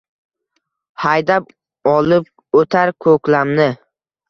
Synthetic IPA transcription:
hajd̪ap̚ | ɒlˠɪp̚ | ɵt̪ʰaɾkʰɵkʲlamnɪ

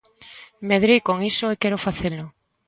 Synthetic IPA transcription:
meðɾijkoŋisoekɛɾʊfaθelʊ

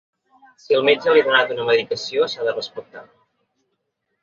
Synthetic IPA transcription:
siəlˠmed͡ʒəliðunat̪unəməðikəsiosaðərəspək̚t̪a̰

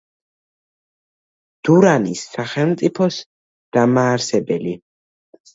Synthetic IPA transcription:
d̪̥uɾanisːaχɛlˠmt̪sʼipʰɔs | d̪̥amaːɾsɛbɛli

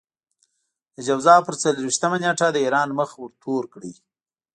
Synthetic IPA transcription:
d̪̥əd͡ʒawzɑpəɾt͡saləɾwiʃt̪əmanjeʈad̪əiɾɑnməxwəɾt̪ʰoɾkɽi

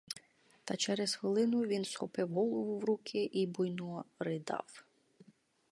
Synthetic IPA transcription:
t̪ɑt͡ʃɛɾɛz̥xʋɪlˠɪnʊʋʲinsxɔpɪwɦɔlˠɔʊʋʊwɾukʰɪʔibʊjnɔɾɪd̪ɑ̰w

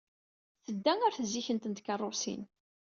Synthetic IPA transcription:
θəd̪ːæŋæɾθzːiçənt̪ənt̪kɑrˤːosḭn

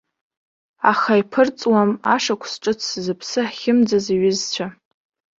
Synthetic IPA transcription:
aχaipʰɨrt͡sʼwamaʂakʷʰsʈ͡ʂʼɨt͡sʰszɨpʰsɨħχʲɪmd͡zaziɥɪzt͡ɕʷʰa

